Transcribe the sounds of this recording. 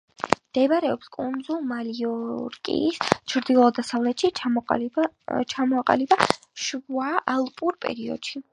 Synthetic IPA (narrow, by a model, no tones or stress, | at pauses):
md̪̥ɛbɾɛɔpskʼund̪zulˠmaliɔɾkʼḭːst͡ʃʰɾd̪ilˠɔd̪asavlɛt̪ʃi | t͡ʃʰamɔaqʼa̰liba | ʃuaʔalˠpʼuɾpʼɛ̰ɾiɔ̰d̪̥ʃi